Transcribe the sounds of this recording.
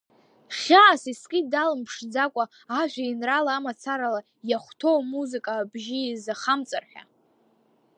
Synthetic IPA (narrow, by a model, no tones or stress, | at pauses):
χʲaʕasiskʲʼidalɨmpʰʂd͡zakʷʼa | aʒʷᶣainralaːmat͡sʰaɾala | jaχʷtʰowmuzɨkʼaːbʒiizaχamt͡sʼa̰rħʲa̰